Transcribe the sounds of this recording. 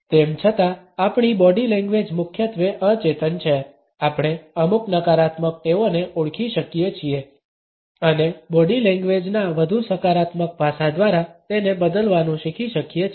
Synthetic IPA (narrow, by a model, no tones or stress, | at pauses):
t̪emt͡ʃʰət̪a | apɳ̃ibɔɖilɛ̃ŋɡʋed͡ʒmʊkʰjət̪ʋeʔət͡ʃet̪ənt͡ʃʰe | apɽ̃eəmuknəkaɾat̪mək̚t̪eoneʔuɭkʰiʃəkijet͡ʃʰie | ənebɔɖilɛ̃ŋɡʋed͡ʒnaʋəd̪ʱusəkaɾat̪mək̚bʱasãd̪ʋaɾat̪enebəd̪əlʋanũʃikʰiʃəkije